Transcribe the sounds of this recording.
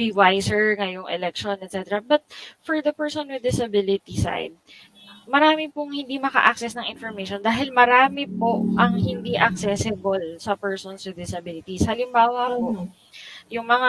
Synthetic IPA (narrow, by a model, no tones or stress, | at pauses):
biwajsɛɹŋɐjoŋʔɛ̰lɛk̚ʃonɛt̪̚t͡ʃɛt̪ɛɾɐbɐt̪̚fɔɹd̪ɐpɛɹsɔnwɪd̪̚ːɪsɐbɪlɪt̪isa̰jd̪̚ | mɐɾaːmɪpoŋhɪnd̪iːmɐkɐ̰ʔɐk̚sɛsnɐŋʔɪnfɔɹmejʃond̪aːɦɪlmɐɾaːmɪpoʔɐŋhɪnd̪iːʔɐk̚sɛːsɪbolsɐpɛɹsɔnswɪd̪ɪsɐbɪlɪt̪ishɐlɪmbaːwɐko | jʊŋmɐŋa